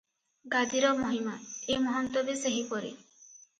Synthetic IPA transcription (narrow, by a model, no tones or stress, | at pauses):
ɡad̪iɾɔmɔɦimaemɔɦɔnt̪ɔbeseɦipɔɾḛ